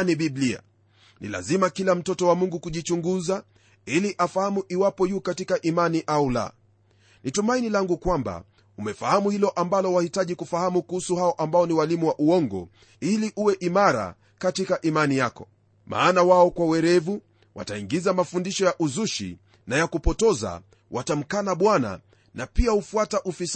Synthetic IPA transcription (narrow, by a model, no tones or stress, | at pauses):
niɓiblia̰ | nʔḭla̰zimakilam̩tɔtɔwamuŋɡukuʄit͡ʃuŋɡuza | iliʔafahamuʔiwapɔjuːkatikaʔimaniʔaula̰ | nitumainilaŋɡukwamba̰ | umɛfahamuhilɔʔambalɔwahitaʄikufahamukuhusuhaɔʔambaɔniwalimuwaʔuɔŋɡɔ̰ | iliʔuwɛʔimaɾa̰ | katikaʔimanijakɔ̥ | ma̰ːnawaɔkwawɛɾɛvu | wa̰taiŋɡizamafundiʃɔjaʔuzuʃḭ | najakupɔtɔza̰ | wʔatam̩kanaɓwana̰ | napiahufuataʔufis